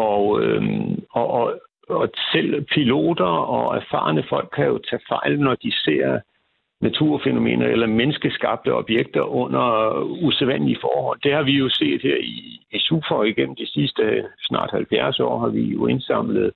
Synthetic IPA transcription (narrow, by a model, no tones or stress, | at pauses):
ɒø | ɒʔ | ɒsel̰pʰilo̝̰ːd̥ɐɒ̽æɐfɑ̰̈ːnəfɒ̽l̰ɡ̥̚ʰkʰːæjo̝t͡sʰɛ̰ːfɑ̈ɪlnɒd̥ise̝̰ːɐ | næt͡sʰuɐ̰feno̝me̝̰ːnɐelɐmenəsɡ̥əsɡ̥ɑ̈b̥̚d̥əɒ̽b̥jeɡ̥̚d̥ɐʔɔ̽n̰ɐuseʋæn̰liəfɒːhɒ̽l̰d̥e̝hɑ̈ʋijo̝se̝̰ːðd̥heɐ̰iːsuːfɐɒiɡ̥en̰m̩d̥isisd̥əsnɑ̰̈ːd̥hælfjæɐsɒ̰ːɦɑ̈ʋijo̝e̝nsɑ̈m̰ləð̞̩ˠ